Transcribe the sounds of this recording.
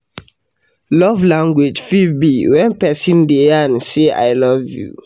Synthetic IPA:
lɔvlãŋɡwid͡ʒfibiwɛ̃npɛsĩndeansea̰jlɔvjṵ

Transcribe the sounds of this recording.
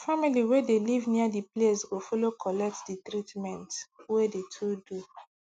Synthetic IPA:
familiwedelivniadipleswifɔlokʰɔlɛk̚tditɾitmɛ̃ntwedetʰudu

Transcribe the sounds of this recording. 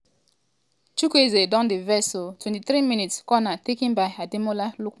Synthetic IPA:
t͡ʃukʷezedɔ̃ndevɛsotwɛ̃ntiθɾiminitskɔnatekĩnbaɪadimolaluk

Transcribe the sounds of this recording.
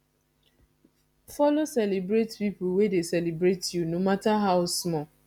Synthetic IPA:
fɔlosɛlibɾetpip̩wedesɛlibɾetjunomataɦaʊsmɔ

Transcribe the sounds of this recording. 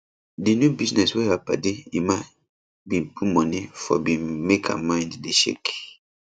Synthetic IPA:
dinjubiznɛswɛhapa̰deima | bĩnpʰumɔ̃nifɔ̰bĩmekʰa̰mãɪ̃nddeʃḛk

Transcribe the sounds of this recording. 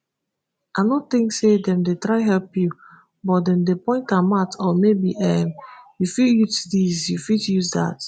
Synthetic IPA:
anɔt̪ɪ̃ŋksedɛ̃mdetɹaɪɦɛlpju | bɔtdɛ̃mdepɔ̃ɪ̃ntãmatɔmebiʔɛmjufijutdisjufitjuzda̰t

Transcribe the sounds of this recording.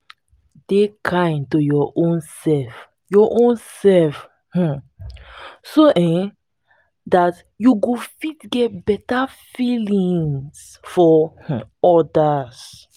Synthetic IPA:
dekʰãɪ̃ntojɔʔõnsɛlf | jɔʔõnsɛlf | h̩ | soʔɛ̃ | dat | juɡofitɡɛt̚bɛta | filĩŋs | fɔh̩ɔdas

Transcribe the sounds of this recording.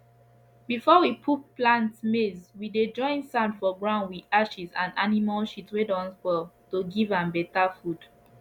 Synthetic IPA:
bifɔwipʰup̚plãntmezwided͡ʒɔ̃ɪ̃nsãndfɔɡɹãʊndwiaʃizãndanimalʃitwedɔ̃nsbɔltoɡivãnbɛtafud̥

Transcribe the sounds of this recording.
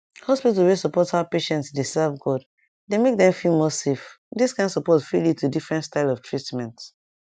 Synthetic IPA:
hɔspitlwesɔpɔthaʊpeʃɛ̃ntsdesɛvɡɔd | demek̚dɛ̃mfilˠmɔsef | disɡãnsɔpɔzfiljitʰudifɹɛ̃ntstaɪlɔftʰɹitmɛ̃nt

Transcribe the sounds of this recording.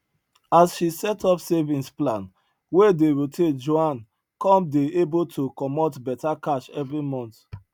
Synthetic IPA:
asʃisɛtɔpsevĩnsplãn | wedeɹotʰed͡ʒoãn | kɔ̃mdeebotʰokɔmɔtbɛtakaʃɛvɹimɔ̃nt

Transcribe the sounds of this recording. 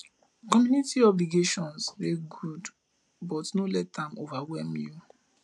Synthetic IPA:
kɔmjũnitiɔbliɡeʃɔ̃nsleɡud | bɔtnolɛtãmovawɛlmju

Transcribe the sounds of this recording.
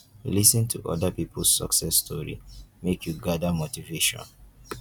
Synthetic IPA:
lisĩntʰuʔɔ̰dapipʰl̩sːɔ̰ksɛstʰɔɹḭmekʰjuɡadamotiveʃɔ̰̃n

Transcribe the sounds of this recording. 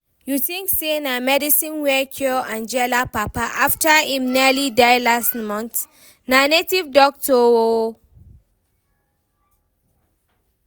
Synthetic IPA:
juθĩŋksenamɛdisĩnwɛkʰjɔãnd͡ʒɛlapapaʔaftaĩmnilidaɪlastmɔ̃nθ | nanetivdɔk̚tʰɔo

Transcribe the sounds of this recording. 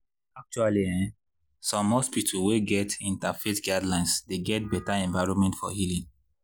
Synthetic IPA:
ak̚t͡ʃualiɛ̃ | sɔ̃mːɔspitʰuweɡɛtĩntafetɡadlãɪ̃nsdeɡɛt̚bɛtaɛ̃ɱvaɪɹɔ̃nmɛ̃ntfɔ̰hilĩn

